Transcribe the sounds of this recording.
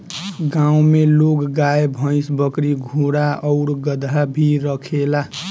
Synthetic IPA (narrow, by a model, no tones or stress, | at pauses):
ɡãũmelokɡajebʱə̃ɪsbəkɾiɡʱuɽaʌʊɾɡəd̪ʱabʱiɾəkʰela